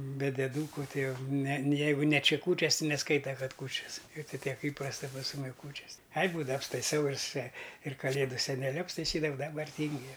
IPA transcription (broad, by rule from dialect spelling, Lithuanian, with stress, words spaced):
bʲɛ dʲɛˈduːkʊ ˈtɐɪ ˈjɛʊ nʲɛ ˈjɛɪɡʊ nʲɛ ˈt͡ʃʲɪ ˈkuːt͡ʃʲɛs tʲɪ nʲɛˈskɐɪtɐ ˈkɐt ˈkuːt͡ʃʲɛs ɪr tɐɪ ˈtʲiɛk ˈiːprɐstɐ pɐs ˈmʊmʲɪ ˈkuːt͡ʃʲɛs ɐɪ ˈbuːdɐʋɐ ɐpstɐɪˈsɐʊ ɪr sʲɛ ɪr kɐˈlʲeːdʊ sʲɛnʲɛˈlʲʊ ɐpstɐɪˈsʲiːdɐʋɐʊ dɐˈbɐr ˈtʲiːŋʲɡʲʊ ˈjɛʊ